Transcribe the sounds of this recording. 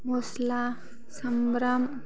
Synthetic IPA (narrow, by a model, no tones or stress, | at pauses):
mosla | sɐmbɾam